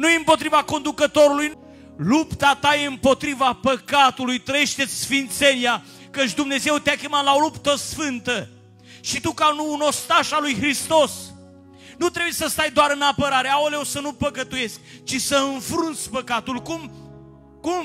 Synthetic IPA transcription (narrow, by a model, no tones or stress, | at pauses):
nujeɨmpo̞t̪ɾivako̞nd̪ukət̪o̞ɾuluj | lupt̪at̪aje̞ɨmpo̞t̪ɾivapəkat̪ulujt̪ɾəje̞ʃt̪e̞t̪sʲsfint̪se̞nia | kət͡ʃʲd̪umne̞ze̞wt̪eakʲe̞mat̪laolupt̪əsfɨnt̪ə | ʃit̪ukanuːno̞st̪aʃalujɦɾist̪o̞s | nut̪ɾebujesəst̪ajd̪oaɾɨnapəɾaɾeaoleosənupəkət̪uje̞sk̚ʲt͡ʃisəɨnfɾunt̪sʲpəkat̪ulkum | kum